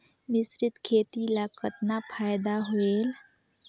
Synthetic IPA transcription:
mɪsɾɪt̪kʰeːt̪ilaːkət̪napʰaːjd̪aɦoeːl

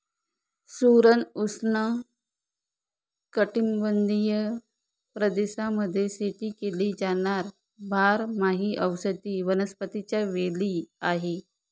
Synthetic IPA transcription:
suɾənusnə | kəʈimbənd̪ijə | pɾəd̪esaməd̪ʱːjeseʈiːkeliːd͡ʑaɽ̃aɾ | bʱaɾmaɦiːʔəwsət̪iːʋənəspət̪it͡ɕjaʋeliːaɦe

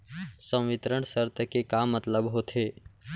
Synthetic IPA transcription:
sə̃w̃ʋɪt̪ɾəɳ̃səɾt̪ʰəkekamːət̪ləbɦot̪ʰeː

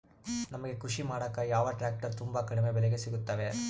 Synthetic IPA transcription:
nɐmɐɡe̞kuʂimaːɽɐkːaːjaːʋɐʈɾaːk̚ʈɐɾt̪umbɐkɐɽɛmeːbɛlɛɡesiɡut̪ːaːʋe

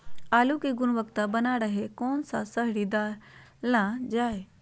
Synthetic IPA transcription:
aːlukiɡʊnʋəkt̪abɐnaɽəɦekɔːnsasəɦɽid̪aːɾlãd͡ʒaːe

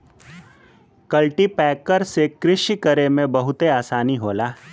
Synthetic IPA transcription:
kɐlʈipɛːkəɾsekɾɪʃikəɾemẽbɐɦʊt̪eaːsaːniɦoːlaː

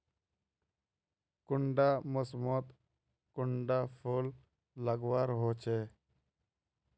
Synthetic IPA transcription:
kʊɳɖaməsmot̪ | kʊɳɖapʰolː | əɡwaːɾɦoːt͡ʃʰe

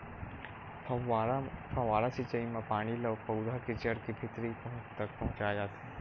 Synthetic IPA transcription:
pʰaʋaːɾasɪt͡ʃəimãpaːɽ̃ilɐʋpɐwd̪ʱakɪt͡ʃəɾkibʱɪt̪ɾipɐɦʊ̃t͡ʃt̪ɐk̚pɐɦʊ̃t͡ʃad͡ʒaːt̪e

